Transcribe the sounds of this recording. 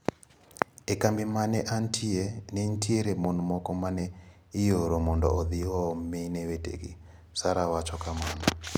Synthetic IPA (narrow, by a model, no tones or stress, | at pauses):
ɛkambimanɛʔantʰiɛnɛntʰieɾɛmɔnumɔkɔmanɛ | ijoɾɔmɔndɔ̰ʔɔðiwɔmɛnɛwɛtḛkḭ | saɾawat͡ʃɔkamanɔ